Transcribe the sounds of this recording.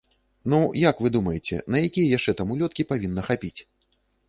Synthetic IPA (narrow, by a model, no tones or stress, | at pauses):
nujakvɨd̪umɐjɛt͡sʲɛ̰nɐjakʲijɐjaʂt͡ʂɛt̪amulʲɔt̪̚kʲipavʲinːɐxapʲit͡sʲ